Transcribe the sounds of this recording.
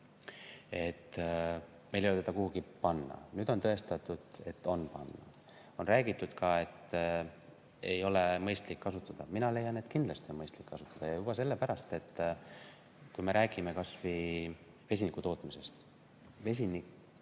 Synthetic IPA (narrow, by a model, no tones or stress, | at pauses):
e̞t̪ː | mejlejolet̪ed̪ɑkuhuɡ̥ipɑnːɑ̰nyːd̪̥o̞nt̪ɤ̞e̞st̪ɑt̪ːˑud̪̥e̞t̪ːo̞npɑ̰nːɑ̰ | o̞nræːɡ̥it̪ˑːud̪̥kɑe̞t̪ː | e̞jo̞lemɤjst̪likːɑsut̪ːˑɑd̪̥ɑminɑle̞jɑnet̪kind̪lɑst̪ionmɤjst̪likːɑsu̥t̪ːˑɑd̪̥ɑjɑjub̥ɑse̞lːepæɾɑst̪e̞t̪ː | kujme̞ɾæːɡ̥ime̞kɑsvi | ve̞s̬ʲinikːut̪o̞ːt̪ːˑmise̞st̪ | ve̞s̬ʲinik